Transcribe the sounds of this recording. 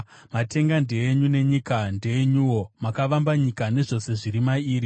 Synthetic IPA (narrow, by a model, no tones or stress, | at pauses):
mate̞ŋɡande̞ːɲune̞ɲikandeːɲuwo̞makaʋambaɲikane̞ʐo̞se̞ʐiɾimaiːɾi